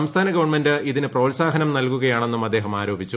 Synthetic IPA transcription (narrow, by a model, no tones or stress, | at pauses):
ɐmst̪ʰaːnɐɡɐʋɐɳmendɨiðinɨproːlsaːɦɐnɐmnɐlkuɣɐjaːɳe̞nːumɐd̪ːe̞ːɦɐmaːɾo̞ːbʱit͡ɕːu